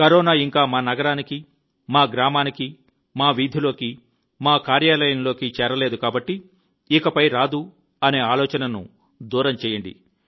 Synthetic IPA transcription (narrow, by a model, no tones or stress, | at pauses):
kɐɾɔːnaːiŋkaːmaːnɐɡɐɾaːniki | maːɡɾaːmaːniki | maːʋid̪ʱilo̞ːki | maːkaːɾjaːlɐjɐnlo̞ːkit͡ʃɛːɾɐle̞ːd̪ukaːbɐʈːi | ikɐpɐjɾaːd̪u | ɐne̞ːaːlɔːt͡ʃɐnɐnṵ | d̪uːɾɐmt͡ʃɛːjɐɳɖḭ